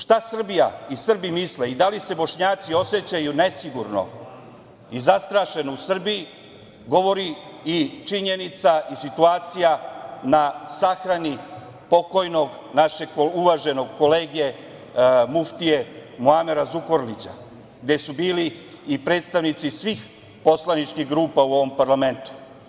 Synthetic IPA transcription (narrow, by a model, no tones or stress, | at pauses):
ʃt̪asr̩bijaisr̩bimisleid̪alise̞bo̞ʃɲaːt̪sio̞se̞t͡ɕajune̞siɡuɾno̞̰ | izast̪ɾaːʃe̞nousr̩bii | ɡo̞ʋo̞ɾiit͡ʂiɲe̞nit̪saisit̪uaːt̪sijanasaxɾani | po̞ko̞jno̞ɡ | naʃe̞kouʋaʒe̞no̞ɡ̚ko̞leːɡe̞ | muft̪ije̞muameɾazuko̞ɾlit͡ɕa̰ | ɡd̪e̞subiːliː | pɾe̞ːt̪st̪aʋnit̪sisʋiːx | po̞slanit͡ʃkiɣɡɾuːpauo̞ʋo̞mpaɾlame̞nt̪u̥